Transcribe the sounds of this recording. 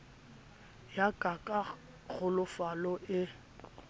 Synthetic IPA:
jakʼakʼa | ɣʊlʊfalɔʔɪ

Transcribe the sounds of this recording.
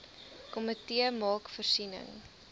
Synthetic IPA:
kɔmətiəmɑːkfərsinə̰ŋ

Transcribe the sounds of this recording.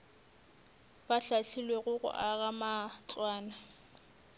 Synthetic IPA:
b̥aɬaɬilweɣʊɣʊ̰ʔaɣamat͡sʼwaːna

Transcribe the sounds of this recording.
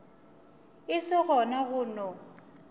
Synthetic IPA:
ɪsɪɣɔnaɣʊːnɔ

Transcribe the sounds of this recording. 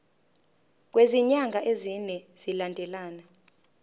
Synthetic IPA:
k̬ʼweziɲaŋɡʱaʔezinɛz̥ilandʱɛlaːna

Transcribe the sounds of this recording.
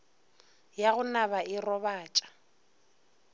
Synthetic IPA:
jaɣʊnaβaɪrɔbaːt͡ʃʼḁ

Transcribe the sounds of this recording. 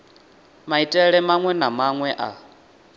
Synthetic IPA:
maitʼɛɺɛmaŋwɛnamaŋwɛʔa̰

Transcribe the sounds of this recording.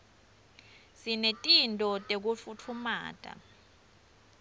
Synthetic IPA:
sinetʼintʼɔtʼek̬ufutʰuma̰ːtʼa̰

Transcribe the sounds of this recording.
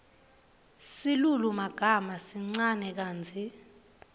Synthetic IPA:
silulumaɡ̥ʱamasiŋ͡ǀanɛk̬aːnd͡zʱi

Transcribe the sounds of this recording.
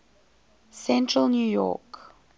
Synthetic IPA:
sɛ̃ntʰɹəlnjuːjɔ̰k

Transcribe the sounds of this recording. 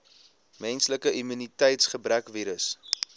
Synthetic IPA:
mɛnsləkəimynitɛjtsχəbrækviːɾəs

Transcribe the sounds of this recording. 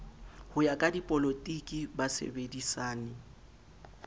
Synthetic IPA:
hʊjakʼadipʼɔlotʼikʼibasḛbedisaːnɪ

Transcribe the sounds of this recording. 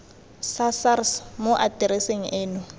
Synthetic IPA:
sasarsmoʔatɛɾeseŋ̩ʔeːnʊ

